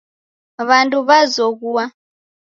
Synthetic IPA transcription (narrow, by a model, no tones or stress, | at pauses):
βanduβazɔɣuwa